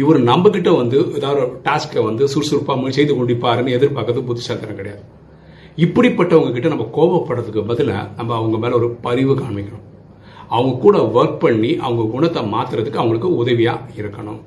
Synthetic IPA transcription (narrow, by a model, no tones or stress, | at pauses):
ɪʋɔɾɯnɐmbɐk̬ɪʈːɐʋɐnd̪ɯʔɛðaːʋðɯʈaːskɐʋɐnd̪ɯsuɾsʊɾpːaːmɐsɛjd̪ɯkɔɳɖɪpːaːɾɯnːɯɛðɪɾpaːkːɾɐðɯpʊt̪ːɪsaːt̪ɐɾɐ̃kɪɽɐjaːðɯ | ɪpːɐɽipːɐʈːɐʋɐŋɡɐk̬ɪʈːɐnɐmːɐkoːbɐpːɐɽːɐðɯkːɯbɐðɯlɐ̰nɐmːɐːʋɐŋɡɐmeːlɐɔɾɯpɐɾɪʋɯkaːɳmɪkːɪɐɾʊ̃m | ɐʋɐŋɡɐkːuːɽɐʋɐɾk̚pɐɳːiʔɐ̰ʋɐŋɡɐɡʊɳɐt̪ːɐmaːt̪ɪɾɐðɯkːɯɐʋɐŋɡɐɭɯkːɯʊðɐʋɪjaːɪɾɯkːɐɳʊ̰